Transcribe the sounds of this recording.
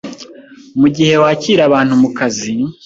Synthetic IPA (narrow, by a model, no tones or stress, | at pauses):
muɟihe̞waciːɾaβaːn̥humukazi